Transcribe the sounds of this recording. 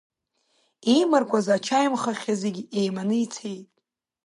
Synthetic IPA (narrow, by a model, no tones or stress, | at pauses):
imarkʷazat͡ʃʰajmχaχʲazeɡʲejmanɨit͡sʰejtʼ